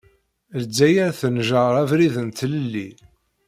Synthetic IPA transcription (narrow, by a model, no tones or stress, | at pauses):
ld͡zːæjæɾθənʒəɾˤævɾiðənt̪ləlːi